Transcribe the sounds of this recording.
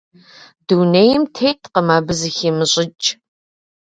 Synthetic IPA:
dunejɪmtʰejtʰʼqəmaːbɨzɨxiːmɨɕʼɪt͡ʃʼ

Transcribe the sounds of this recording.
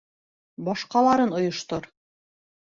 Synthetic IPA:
bɒʃqɑlˠɑɾɤnŏjŏʃt̪oɾ

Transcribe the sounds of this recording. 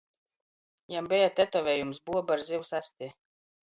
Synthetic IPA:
jambʲɛjat̪ɛt̪ɔvɛjumsbuɔbaɾzʲiwsast̪ʲiɛ

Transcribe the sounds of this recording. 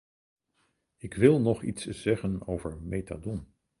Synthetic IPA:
ɪkʋɪlˠnɔχḭtsz̥ɛχənowvəɹmejta̰dɔm

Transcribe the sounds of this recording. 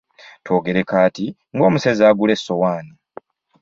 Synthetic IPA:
two̞ːɡe̞ɾekaːti | ŋɡo̞ːmusezaːɡule̞sːo̞waːni

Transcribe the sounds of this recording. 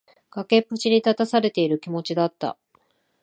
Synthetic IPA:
ɡ̥ake̞pːɯ̟t͡ɕiɲʲit̪at̪asaɾe̞t̪e̞iɾɯ̟kʲimo̞t͡ɕid̪at̪ːa̰

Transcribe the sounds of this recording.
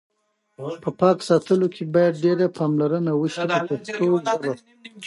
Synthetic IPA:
pəpɑksɑt̪əlokʰebɑjad̪̚ɖeɾapɑmlaɾənawəʃid̪əpəxt̪oɡaɾa

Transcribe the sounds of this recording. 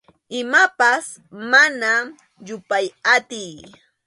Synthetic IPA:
ɪmapas | mana | ʎʊpajat̪ɪj

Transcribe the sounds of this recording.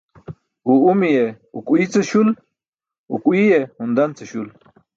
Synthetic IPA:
uumije | ṵkuit͡sɨɕul | ṵkuijehund̪ant͡səɕul

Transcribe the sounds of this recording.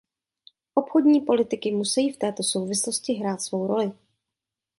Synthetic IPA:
ʔo̞pxodɲiːpo̞lɪt̪ɪkɪmusɛjiːft̪ɛːt̪o̞so̞wvɪsloscɪɦɾaːt̪svo̞wɾo̞lɪ

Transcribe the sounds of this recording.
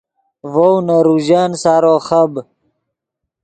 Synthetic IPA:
vownaɾuʑaːnsaːɾoχɐb

